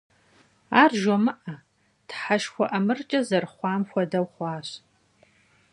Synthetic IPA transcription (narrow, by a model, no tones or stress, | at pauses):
aːrʒɔmɨʔɐ | tħaʃxʷɔʔɐmɨrt͡ʃʼɐzɐrχʷɑːmxʷɔdɐwχʷɑːɕ